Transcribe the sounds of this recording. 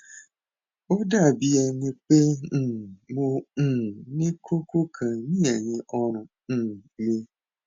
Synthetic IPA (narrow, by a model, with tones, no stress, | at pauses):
o˦da˦˨bi˦ɛ˨nĩ˦k͡pẽ˦˨ | mõ˦˨ | nĩ˦kʰo˦kʰo˦kʰã˨nĩ˦ɛ˨ɲĩ˨ʔɔ˦ɾ̃ʊ̃˨ | ñ̩˨nĩ˦